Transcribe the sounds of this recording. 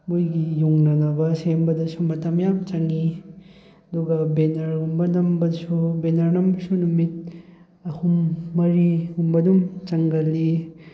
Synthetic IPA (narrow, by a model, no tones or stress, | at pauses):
mojɡijuŋnɐɡɐbɐsembɐdɐsumɐtɐmjamt͡ʃɐŋi | ɐduɡɐbenɐɾumbɐnɐmbɐsubenɐɾnɐmbɐsunumit̚ | ɐhumːɐɾihumbɐdumt͡ʃɐŋɡɐlːi